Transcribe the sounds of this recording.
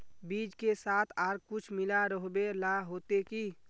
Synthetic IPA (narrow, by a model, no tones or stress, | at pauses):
biːd͡ʒkesaːt̪ʰaːɾkʊt͡ʃʰmɪlaɾəɦbelaɦoːt̪eki